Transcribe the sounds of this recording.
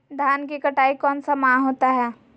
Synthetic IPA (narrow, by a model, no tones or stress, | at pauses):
d̪ʱaːnkikɐʈaːikɔːnsamaɦoːt̪aɦɛː